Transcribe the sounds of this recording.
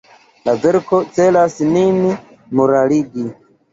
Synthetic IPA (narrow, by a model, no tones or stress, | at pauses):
lazeɾkot͡selasinini | muɾaliɡi